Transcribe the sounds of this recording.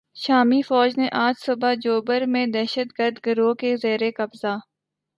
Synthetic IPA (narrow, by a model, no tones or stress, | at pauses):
ʃaːmifɔːd͡ʒneʔaːd͡ʒsʊbad͡ʒoːbəɾmẽd̪ɛːʃət̪ɡəɾd̪ɡəɾoːkezeːɾekɐbzaː